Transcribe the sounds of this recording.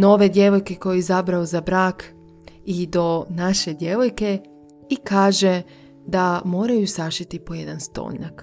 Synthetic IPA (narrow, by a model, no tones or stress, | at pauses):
no̞ʋe̞d̪ʲje̞ʋo̞jke̞ko̞jeizabɾauzabɾaːk | id̪o̞naʃe̞d̪je̞ʋo̞jke̞ | ikaːʒe̞ | d̪amo̞ːɾajusaʃit̪ipo̞jed̪anst̪o̞̰ːɲak